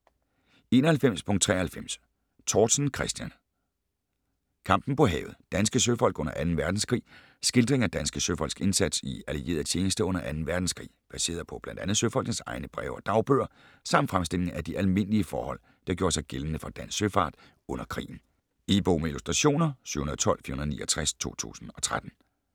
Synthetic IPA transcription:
e̝ːnɐhælfem̰spʰɔ̽ŋ̚t͡sʰʁɛ̰ːɐhælfem̰s | t͡sʰɒːd̥snkʰʁɛsd̥jæn | kʰɑ̈m̰b̥n̩pʰɒ̽ɦɛ̰ːʊð̩ˠd̥ænsɡ̥əsøfɒ̽l̰ɡ̥ɔ̽n̰ɐʔænn̩ʋæɐd̥n̩skʰʁḭː | sɡ̥e̝ld̥ʁeŋæd̥ænsɡ̥əsøfɒ̽l̰sɡ̥e̝nsæd̥siælie̝̰ːɐðˠt͡ɕʰe̝ːnəsd̥əɔ̽n̰ɐʔænn̩ʋæɐd̥n̩skʰʁḭːb̥æse̝̰ːɐðˠpʰɒ̽b̥lænd̥ænð̞̩ˠsøfɒ̽l̰ɡ̥nənsɑ̈ɪnəb̥ʁɛ̰ʊɒ̽d̥ɑ̈ʊb̥øɐ | sɑ̈m̰nd̥fʁamsd̥e̝l̰e̝ŋæd̥iʔælme̝n̰əliəfɒ̰ːhɒ̽l̰ | d̥ɑ̈ɡ̥jo̝ːɐsɑ̈ɪɡ̥elnəfɒ̽d̥æn̰sːøfɑ̰̈ːd̥ | ɔ̽n̰ɐkʰʁḭːn̩ | ib̥oːmeilusd̥ʁɑɕo̝̰ːnɐsy̰hunɐðˠt͡sʰɒ̽l̰fḭːɐhunɐðˠnḭːɐt͡sʰʁaæst͡sʰu̝̰ːt͡sʰṵːsn̩ɒ̽t͡sʰʁad̥n̩

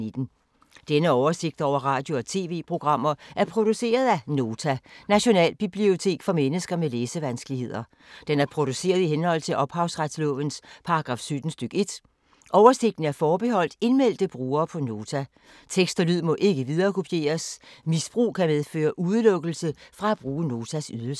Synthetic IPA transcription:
ed̥n̩ | d̥enəɒʊɐse̝ɡ̥d̥ɒʊ̰ɐʁɑ̈ːd̥jo̝ɒ̽t͡sʰe̝ːʋe̝̰ːpʰʁo̝ɡ̥ʁɑ̈m̰ɐʔæɐpʰʁo̝d̥use̝̰ːɐð̞ˠæno̝ːt͡sʰænæɕo̝nɛ̰ːlb̥ib̥lio̝t͡sʰe̝̰ːɡ̥fɒ̽menəsɡ̥ɐmeleːsəʋænsɡ̥əlihe̝ð̞̰ˠɐ | d̥enæɐpʰʁo̝d̥use̝̰ːɐð̞ˠiɦenhɒ̽l̰t͡sʰe̝lʔɒ̽b̥hɑ̈ʊsʁad̥slɔ̰̽ːʋənspʰɑ̈ɑɡ̥ʁɑ̈ːfsød̥n̩sd̥øɡ̥e̝d̥ | ʔɒʊɐse̝ɡ̥d̥n̩æɐfɒːb̥e̝ɦɒ̽l̰d̥e̝nmel̰d̥əb̥ʁuːɐːpʰɒ̽no̝ːt͡sʰæ | t͡sʰeɡ̥sd̥ɐlyð̰ˠmɔ̽ʔe̝ɡ̥əʋiðˠɐːkʰo̝pʰije̝̰ːɐsmisb̥ʁṵːkʰæmeðˠfø̰ːɐʔuð̞ˠəlɔ̽ɡ̥l̩səfʁɑ̈æb̥ʁuːəno̝ːt͡sʰæsyðˠls

